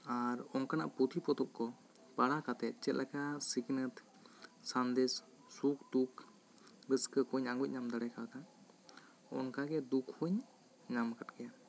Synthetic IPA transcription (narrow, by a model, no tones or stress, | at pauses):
aɾɔnkana̰ʔput̪ʰipɾɔt̪ɔp̚kɔ | paɽakat̪ɛt̪̚t͡ʃɛt̪̚lʔɛkasiɡnət̪ | sand̪ɛs | suk̚d̪ukʰ | ɾəskəkɔɲaŋɡuc̚ˀɲamd̪əɽɛkawat̪an | ɔ̰nkaɡɛd̪ukʰhuɲ | ɲamkat̪kɛja